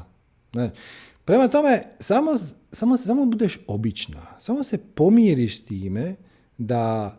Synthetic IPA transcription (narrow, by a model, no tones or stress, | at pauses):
aːt͡ʃ | pɾe̞mat̪o̞mesamosamossaːmobud̪eʃobit͡ʃna̰samose̞po̞mjeɾiʃst̪iːme | d̪a